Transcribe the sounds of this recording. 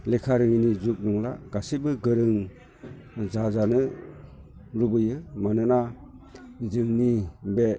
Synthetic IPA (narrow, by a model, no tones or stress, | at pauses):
lekʰaɾɯŋinizuk̚nuŋla̰ɡ̥asibɯɡɯɾɯŋ | zazanɯ | ɾubɯjɯmanɯna | zɯŋnibe